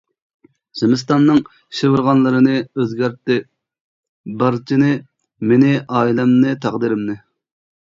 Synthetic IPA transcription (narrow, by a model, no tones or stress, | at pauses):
z̥ɪmɪs̬t̪ɑnːɨŋ | ʃevɨɾʁɑnlˠɨɾɨnɨøzɡʲæɾt̪ːɪ | bɑɾt͡ʃʰinɪ | menɪʔɑːilɛmnɨt̪ʰɑʁd̪iɾɪmnɨ